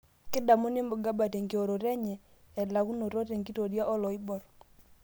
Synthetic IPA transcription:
kɪ˦da˨mu˦nɪ˦mbʊ˨ɡa˦ba˨te˨ŋɡi˨o˨ɾo˨ɾɛ˦ɲɛː˨ | la˨ku˦no˨to˦te˨ŋɡi˦to˨dja˦ʔɔ˦lɔ˨ɪ˦bɔ˨ɾ

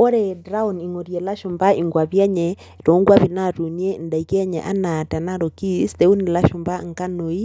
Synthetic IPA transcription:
ɔ˦ɾɛ˨dɾa˦u˨ni˨ŋo˨ɾjɛ˨la˦ʃu˨mba˦i˨ŋɡwa˨βjɛ˦ɲɛ | to˨˦ŋɡwa˦βi˨na˦tu˨ni˦e˦nda˨i˨kɛ˦ɲɛ̰˨ʔa̰˦na˨ta˨na˦ɾo˨ki˦stɛ˨u˦ni˨la˦ʃu˨mba˦ŋ˨ka˦no˨i˦

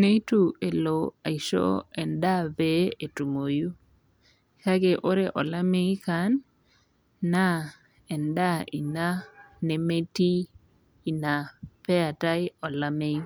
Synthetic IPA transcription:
ne˦i˦tu˦e˨lo˨a˨i˨ʃo̰˦ɛ˨nda˦be˦e˨tu˨mo˨ju˦˨ | ka˦ɡe˨ʔo˦ɾe˦ʔɔ̰˨la˦me˦i˦ka˨˦n | a˦ | ɛ˨nda˦ʔḭ˨na˦ne˨me˦tiː˦˨ | na˨pɛ˦a˨ta˦ɪ˦ɔ˨la˦me˦i˦

